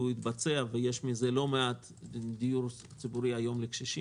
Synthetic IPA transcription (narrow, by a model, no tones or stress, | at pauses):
uit̪bat͡seavejeʃmize̞lo̞meat̪ | d̪ijuɾ | t͡sibuɾiajo̞mlekʃiʃi